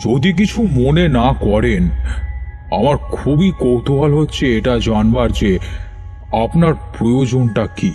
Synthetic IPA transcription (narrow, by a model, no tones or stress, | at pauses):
d͡ʑod̪ik̬it͡ɕʰumonenakɔɾen | a̰maɾkʰubikowt̪oɦalɦotːɕʰeeʈad͡ʑanbaɾd͡ʑe | apnaɾpɾojod͡ʑonʈaki